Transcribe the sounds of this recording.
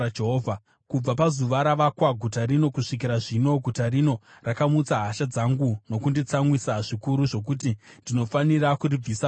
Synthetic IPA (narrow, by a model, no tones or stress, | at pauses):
d͡ʒeɦoːvʱa | kub͡vapazuʋaɾaʋakwaɡʱutaɾino̞kuʂik̬iɾaʐino̞ɡʱutarino̞rakamut͡saɦaʃad͡zaŋɡuno̞kundit͡samwisaʐikuɾuʐo̞kutindino̞fanirakurib͡visa